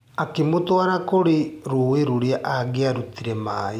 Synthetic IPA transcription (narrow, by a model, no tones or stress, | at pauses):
akemotwaɾakoɾeɾoweɾoɾeaʔaɡeaɾutiɾɛmaːe